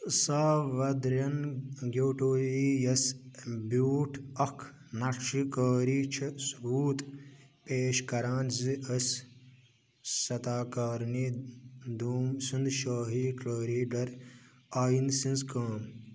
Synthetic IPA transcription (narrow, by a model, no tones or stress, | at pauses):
saːʋɐd̪ɾɐnɡʲoːʈoːjiːjɐsbuːʈʰɐkʰ | nɐʈikəːɾiːt͡ʃʰisbuːt̪peːʃkɐɾãːnziʔɐs | sɐt̪aːkɐːɾniːd̪uːmsɨnd̪ʃaːɦiːkləːɾiːɖɐɾ | aːjinsĩnskɐːm